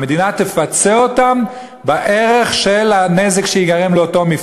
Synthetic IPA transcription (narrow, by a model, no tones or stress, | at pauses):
med̪inat̪efat͡seo̞tam | baʔe̞ʁeχʃelanezekʃeiɡaʁemleoto̞mi